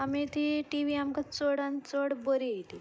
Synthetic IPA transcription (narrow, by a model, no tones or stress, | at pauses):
amit̪iʈiʋiamkat͡soɽãnt͡soɽbəɾit̪i